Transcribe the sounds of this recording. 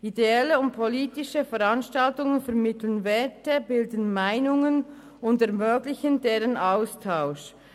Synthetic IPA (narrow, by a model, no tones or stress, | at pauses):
ideɛləʊnt̚pʰoliːtɪʃəfɛʁanʃtaltʊŋənfɛɐʁmɪtlənvɛtəbɪldənmaɪnʊŋən | ʊndɛɐʁmøːɡlɪçəndeːʁənʔaʊstʰaʊʃ